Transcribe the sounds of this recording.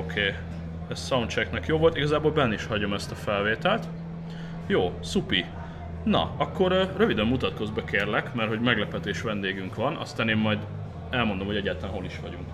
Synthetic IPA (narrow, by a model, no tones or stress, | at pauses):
okʰeː | ɛssɒunt͡ʃɛknɛkjoːvo̞lt̪iɡɒzaːboːlbɛnːɛiʃhɒɟo̞mɛst̪ɒfɛlveːt̪ɛlt̪ | joːsupi | nɒ̰ɒkːo̞ɾrøvid̪ɛmːut̪ɒt̪ko̞zbɛkeːrlɛkmɛrhɦo̞ɟmɛɡlɛpɛt̪eːʃʋɛnd̪eːɡyŋkʋɒnɒ̰st̪aːneːmːɒjd̪ | ɛlmo̞nd̪omhoɛɟːaːt̪ɒlanɦoliʃʋɒɟuŋk